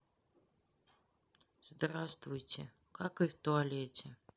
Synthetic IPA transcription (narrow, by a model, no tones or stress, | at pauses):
zd̪ɾast̪vʊjtʲɪ | kakɨft̪oalʲetʲɪ